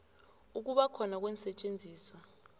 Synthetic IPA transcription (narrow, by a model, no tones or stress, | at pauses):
uk̬uɓakʰɔnak̬wɛnsɛt͡ʃʼend͡zʱiːswa